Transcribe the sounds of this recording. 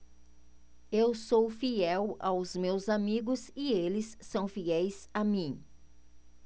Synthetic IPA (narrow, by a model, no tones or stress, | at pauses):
ewsowfiɛwawzmewzamiɡʊzɪelɪsːɐ̃w̃fiɛjzamĩ